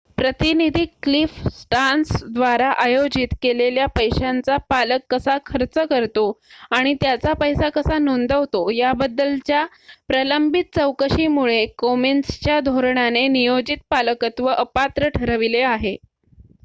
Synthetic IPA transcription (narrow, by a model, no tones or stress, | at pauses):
pɾət̪inid̪ʱiːklifsʈansd̪ʋaɾaʔajod͡ʑit̪keleljapəjɕant͡sapaləkːəsakʰəɾt͡səkəɾt̪oaɽ̃it̪jat͡sapəjsakəsanond̪əʋt̪ojabəd̪ːəlt͡ɕja | pɾələmbʱit̪̚t͡səwkəɕiːmuɭekomenst͡ɕjad̪ʱoɾɳanenijod͡ʑit̪̚paləkət̪ʋəʔəpat̪ɾəʈʰəɾəʋileaɦe